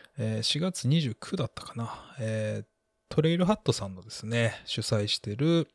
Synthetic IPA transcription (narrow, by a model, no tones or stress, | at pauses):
eːɕiɡat͡sɨɲ̟iʑɨːkʲʰɯ̟d̪at̪ːḁkḁnaeː | t̪ʰo̞ɾe̞iɾɯ̟ɦat̪ːo̞sãnːo̞d̪e̞sɨne̞ɕɨsaiɕi̥t̪e̞ɾɯ̟